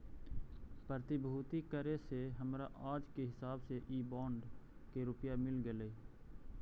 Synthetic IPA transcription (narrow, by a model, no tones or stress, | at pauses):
pɾət̪ɪbʱuːt̪ikəɾeseɦəmɾaʔaːd͡ʒkeɦɪsaːbseʔiːbaːɳɖkeɾʊpjamɪlɡeleː